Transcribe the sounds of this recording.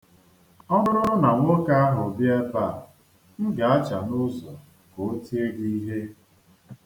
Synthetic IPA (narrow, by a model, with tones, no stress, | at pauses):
ɔ˦nʊ˦ɾʊ˦ʊ˦na˨ŋʷʊ˦ka˦a˦ɦʊ˨bja˦pa˦˨ | ŋ̩˦ɡa˨a˦t͡ʃa˨nʊ˦zɔ˨ | ko˨o˦ti˦e˦ɡi˦i˦ɦe˦